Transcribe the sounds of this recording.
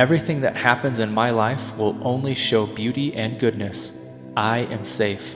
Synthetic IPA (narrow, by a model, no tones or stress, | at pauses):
ɛvɹiθɪ̃ŋðɨ̰t̚hæpɨ̃nzɨ̃nmaɪlaɪfwɪlˠʔõʊ̃nliʃoʊbjʉɾiʔɨ̃nɡʊdⁿnɨs | ʔaɪʔɨ̃mseɪf